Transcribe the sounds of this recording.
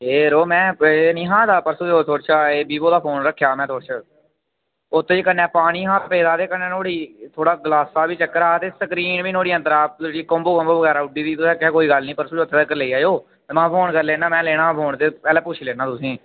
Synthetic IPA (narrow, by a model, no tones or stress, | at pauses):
ɦeːɾoːmɛ̃ːnĩːɦãːd̪aːpəɾsuːd͡ʒoːt̪ʰoːɽt͡ʃʰaːeːbiːboːd̪aːpʰoːnɾəkʰːjaːmɛ̃ːt̪ʰoːɾt͡ʃʰə | ʊt̪ʰːeːd͡ʒeːkənːɛːpaːɽ̃iːɦãːppeːd̪aːt̪eːkənɛ̃ːnoːɽiːt̪ʰoːɽaːɡəlaːsaːbiːt͡ʃəkːəɾaːt̪eːsəkɾiːnʋiːnoːɽiːə̃nd̪əɾaːeɽiːkoːmboːkɔ̃ːmboːʋəɡɛːɾaːʊɖiːd̪iːt̪ʊsɛ̃ːkːkoːiːɡəlnĩːpəɾsuːd͡ʒoʊt̪ʰːeːəkːəɾleiːaːjoː | mãːpʰoːnkəɾleːnaːmɛ̃ːleːɽãːpʰoːɳt̪eːpɛːlɛːpʊt͡ʃʰileːnãːt̪ʊsĩː